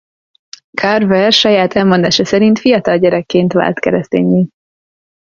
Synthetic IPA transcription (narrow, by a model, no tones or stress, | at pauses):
kʰarvɛrʃɒjaːt̪ʰɛlmo̞nd̪aːʃɒsɛɾint̪fijɒt̪ɒlɟɛɾɛkːeːnt̪ʋa̰ːlt̪kɛɾɛst̪ḛːɲːiː